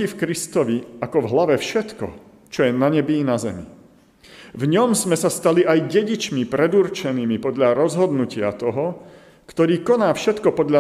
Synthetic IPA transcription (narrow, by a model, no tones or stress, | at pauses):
ifkɾist̪ɔʋiakɔvɦlaʋɛfʃɛt̪kɔ̰ | t͡ʃɔjɛnaɲɛbiːnazɛ̰mḭ | vɲɔmsmɛsast̪aliʔajɟɛɟit͡ʃmipɾɛd̪uɾt͡ʃɛniːmipɔd̪ʎaɾɔzɦɔd̪nucɪat̪ɔɦɔ | kt̪ɔɾiːkɔnaːfʃɛt̪kɔpɔd̪ʎa